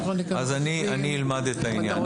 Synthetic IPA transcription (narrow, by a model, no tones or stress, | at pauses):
ɐzɐniɐnilmad̪et̪ɐinja